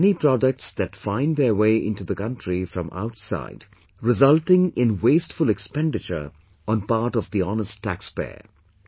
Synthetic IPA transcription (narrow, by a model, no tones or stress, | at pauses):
nipɾɔdək̚ʈsd̪ætfãɪ̃nd̪əweɪʔɪ̰̃nʈud̪əkʌ̃ntɹifɾʌ̃mʔa̰ʊtsa̰ɪd | ɹɪzʌltɪ̃ŋɪ̃nwesʈfʊlɛkspɛ̃nɖɪt͡ʃə̰˞ | ɔ̃npaɾʈɔvd̪iɔnəstʰːækspḛː